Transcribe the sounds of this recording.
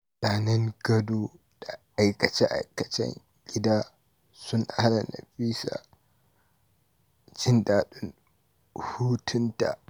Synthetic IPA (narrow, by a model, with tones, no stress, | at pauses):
naː˨nɐ˦ŋɡɐ˦do˦ | d̥a˨ʔːjkɐ˨t͡ʃɛ˦ʔa̰˨jkɐ˨t͡ʃɛ̰˦ŋ | ɡʲɪ˦daː˦ | sʊ˦nha˦la˨na̰˨ɸiː˦sa̰˨ | d͡ʒɪ˦nɗaː˨ɗʊ˦n | huː˦tʰʊ˦nta̰˨